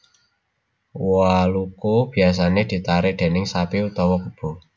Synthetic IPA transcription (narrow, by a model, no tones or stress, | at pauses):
walukob̥i̤as̬aned̪̥i̤t̪aɾed̪̥e̤nɪŋsapiut̪ɔwɔkəb̥o̤